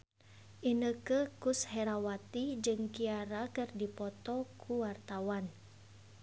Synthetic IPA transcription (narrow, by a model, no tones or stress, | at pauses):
ʔinəkəkushɛɾawat̪id͡ʒɨŋkiaɾakɨrdipɔt̪ɔkʰuwart̪awan